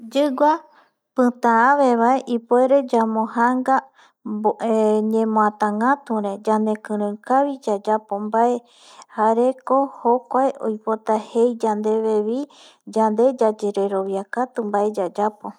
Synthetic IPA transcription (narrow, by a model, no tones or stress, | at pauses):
d͡ʒɨɡʷa | pɨ̃t̪ããʋe̞βaeʔipwe̞ɾe̞d͡ʒamõhaŋɡa | oeɲẽmõãt̪ãŋɡãt̪ũɾẽd͡ʒand̪e̞kɨ̃ɾ̃ɨ̃kaβid͡ʒad͡ʒapombae | haɾe̞kohokʷaeʔo̰jpo̞t̪ahejd͡ʒand̪e̞βe̞βi | d͡ʒand̪e̞d͡ʒad͡ʒeɾe̞ɾo̞βjakat̪umbae̞d͡ʒad͡ʒapo